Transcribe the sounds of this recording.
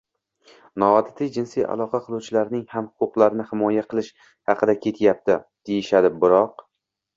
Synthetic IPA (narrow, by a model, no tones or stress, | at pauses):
nɒɒd̪ɪt̪ʰɪjd͡ʒɪnsijʔa̰lˠɒqʰɑqʰɨlˠuwt͡ʃʰɪlaɾnɪŋhamhʊ̥qʊqlˠaɾɪnɪhɪmɒjaqʰɨlˠɪʃ | hɑqʰɨd̪akʲʰe̞t̪ʰjap̚t̪ɪd̪̥e̞jɪʃad̪ɪbɪɾɒq